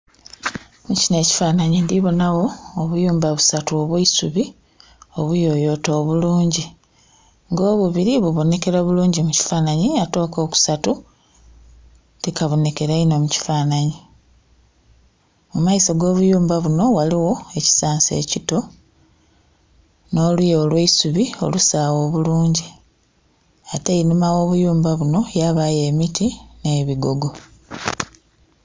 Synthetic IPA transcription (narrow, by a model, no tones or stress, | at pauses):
mucine̞ːci̥faːnaɲindiβo̞nawo̞ːβujuːmbaβusatuoβweisuβi | o̞βujo̞jo̞ːtoːβuluːɲɟi | ŋɡo̞ːβuβiɾiβuβo̞ne̞ke̞ɾaβuluːɲɟimuci̥faːnaɲiato̞ːko̞ːku̥satu | tikaβo̞ne̞ke̞ɾaino̞muci̥faːnaɲi | mumaiso̞ɡo̞ːβujuːmbaβuno̞waliwo̞e̞ci̥saːnse̞̰ːcito̞ | no̞ːlujeːlweisuβio̞̰lusaːwo̞ːβuluːɲɟi | ateinimawo̞ːβujuːmbaβuno̞jaβaje̞ːmitine̞ːβiɡo̞ɡo̞